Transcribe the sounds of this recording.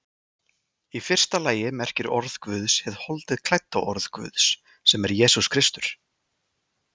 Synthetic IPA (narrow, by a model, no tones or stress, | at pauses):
ifɪr̥st̪alaːjɪmɛr̥cɪɾɔɾð̥kvʏðshɛðhɔlt̪ɪðkʰl̥ajt̪ːaʔɔɾð̥kvʏ̰ðsː | ɛmɛɾjɛːsuskʰɾɪst̪ʏɾ̥